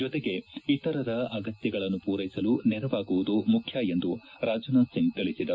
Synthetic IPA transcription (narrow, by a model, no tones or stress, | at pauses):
d͡ʒɔt̪eɡe̞it̪ɐɾɐɾɐɐɡɐt̪jɐɡɐɭɐnːupuːɾɐjsɐlunɛɾɐʋaːɡuʋud̪umukʰjaje̞nd̪uɾaːd͡ʒɐnasiŋɡt̪iɭisid̪ɐɾ